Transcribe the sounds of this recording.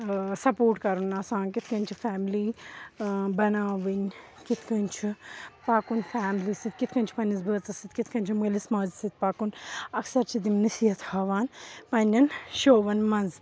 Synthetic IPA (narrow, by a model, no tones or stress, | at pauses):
sɐpoːɾʈkɐɾunaːsãːnkit̪ʰkɐ̃nʲt͡ʃʰifaːmliː | bɐnaːʋɨn | kit̪ʰkɐnʲt͡ʃʰipaːkunfaːmliːsit̪̚kit̪ʰkɐnʲt͡ʃʰipɐnizbəːt̪ɐsit̪kit̪ʰkɐnʲt͡ʃʰimɐlismaːzsit̪̚paːkunɐksɐɾt͡ʃʰid̪imnɐsiːɐt̪ʰhaːʋaːnpɐnʲɐnʃoːʋɐnmɐ̃nz